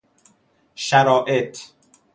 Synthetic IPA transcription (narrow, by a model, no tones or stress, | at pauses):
ʃæɾɒːʔet̪ʰ